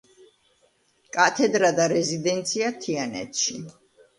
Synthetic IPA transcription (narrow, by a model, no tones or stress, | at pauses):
kʼat̪ʰɛd̪ɾad̪aɾɛzid̪ɛnt̪sʰiat̪ʰianɛ̰t̪ʃi